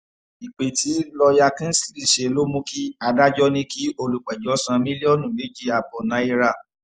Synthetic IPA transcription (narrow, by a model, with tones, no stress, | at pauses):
i˨k͡pe˨tʰi˨˦lɔ˧ja˧kĩ˦n̩˦si̥˦˨li˦˨ʃe˨˦lo˦mũ˦ki˦a˧da˦d͡ʒɔ˦nĩ˦ki˨˦o˧lu˨k͡pɛ˨d͡ʒɔ˨˦sã˧mĩ˦li˦ɔ˦˨nũ˨le˨˦d͡ʒi˦a˧bɔ˨nã˨˦i˦˧ɾa˦˨